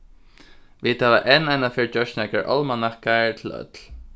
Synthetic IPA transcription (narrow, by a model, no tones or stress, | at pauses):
ʋɪt̪haʋaʔɛnanafɪɹd͡ʒœʃnakaɹʔɔ̰lmanahkaɹt̪ʰɪlœ̰t̪l̥